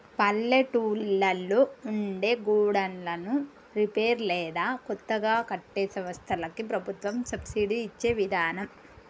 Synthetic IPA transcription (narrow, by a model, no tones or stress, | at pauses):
pɐlːeʈuːlːɐlːoːuɳɖeːɡuːɽɐnlɐnu | ɾipeːɾlɛːd̪aːkɔt̪ːɐɡaːkɐʈːeːsɐʋɐst̪ʰɐlɐkipɾɐbʱut̪ʋɐmsɐbsiɖiːt͡ʃːe̞ːʋid̪ʱaːnɐm